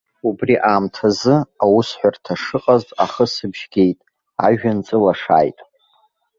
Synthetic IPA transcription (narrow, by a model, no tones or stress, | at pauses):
ubriʔamtʰazɨawusħʷᶣartʰaʂɨqʼaztʼa̰χəsɨbʒ̥ɡʲe̞jtʼ | a̰ʒᶣant͡sʼɨlaʂa̰ːjtʼ